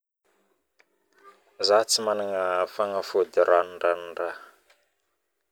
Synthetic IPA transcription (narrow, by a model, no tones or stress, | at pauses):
zat͡simanaŋəfaŋafod̪iɾʔanɖ͡ʐanɖ͡ʐa